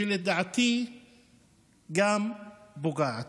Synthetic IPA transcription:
iled̪aʕt̪i | ɡambuɡaʕt̪

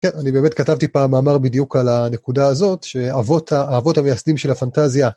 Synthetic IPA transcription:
kennanibeme̞tkatavt̪ipaːmaːmaʁbidijukalane̞kudaːzo̞tʃe̞avotaaːvo̞thamejasdimʃe̞lhafantazja

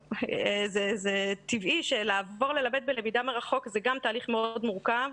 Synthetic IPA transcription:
ezezet̪iviʃelaːvo̞ʁle̞labed̪̚belemidameʁaχo̞kzeɡamtaːliχmeo̞odmuʁkav

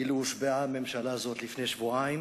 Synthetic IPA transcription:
iluʃbeame̞mʃalazo̞t̪lifneʃvuaim

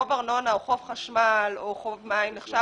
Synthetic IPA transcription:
ovaʁnonaoχofχaʃmaloχovmaimneχʃa

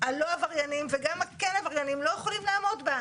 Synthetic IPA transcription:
aloavaʁjanimveɡamakenavaʁjanimlo̞jeχolimlaːmo̞dba

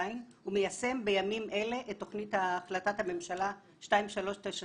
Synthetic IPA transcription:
ain | umejase̞mbe̞jamimʔe̞le̞ʔetːo̞χnithaːχlatathame̞mʃala | ʃtaimʃalo̞ʃteʃa

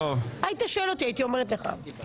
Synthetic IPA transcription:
ovajit̪aʃoelo̞t̪iajit̪io̞meʁet̪leχa̰

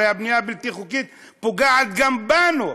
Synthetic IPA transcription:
eabnujabilt̪iχukit̪̚ | poɡaʕat̪ɡambanu

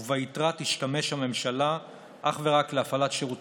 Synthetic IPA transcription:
vaitʁatiʃtame̞ʃhame̞mʃala | ʔaχve̞ʁakleafalatʃeʁut

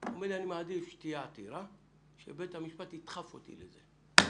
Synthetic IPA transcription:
omelianimaːdifʃtiat̪ḭɾa | ʃḛbet̪hamiʃpat̪it̪χafo̰t̪ḭlḛze

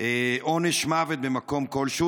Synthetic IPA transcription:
eʔoneʃmavet̪̚bemako̞mko̞lʃu

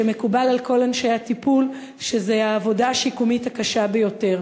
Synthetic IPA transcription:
eme̞kubalalko̞lanʃejatipul | ʃe̞zeaːvo̞daːʃikumitakaʃabe̞jo̞te̞ʁ

